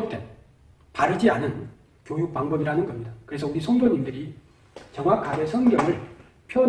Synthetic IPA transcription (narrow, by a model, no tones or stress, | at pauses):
p̚t͈e | paɾɯd͡ʑianɯn | kjojuk̚paŋbʌbiɾanɯnɡʌmɲidakɯɾe̞sʰʌuɾisʰoŋdoɲimdɯɾi | t͡ɕʌŋɦwakʰaɡe̞sʰʌnɡjʌŋɯɭ | pʰjʌ